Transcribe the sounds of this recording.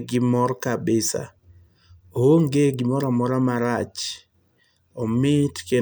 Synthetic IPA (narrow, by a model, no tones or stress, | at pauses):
ɡɪmɔrkabɪsa̰ | owoŋɡeɡɪmɔɾamɔɾamaɾat͡ʃ | ɔmɪtke